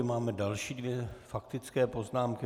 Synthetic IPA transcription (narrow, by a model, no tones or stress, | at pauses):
maːmɛdalʃiːdvjɛfakt̪ɪt͡skɛːpo̞znaːmkɪ